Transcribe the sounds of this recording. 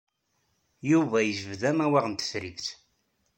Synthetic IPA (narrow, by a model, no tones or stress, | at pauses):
juvæjəʒəvðæmæwæʁənt̪ə̥fɾiðθ